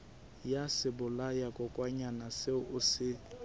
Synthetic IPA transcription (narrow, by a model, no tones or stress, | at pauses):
jasɪbʊlajakʼɔkʼwaɲanasɪʊsɪ